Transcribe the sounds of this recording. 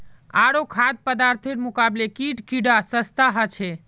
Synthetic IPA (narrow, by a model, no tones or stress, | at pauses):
aɾokʰad̪̚pəd̪aɾt̪ʰeɾmukablekiʈkiɖasəst̪aɦət͡ʃʰe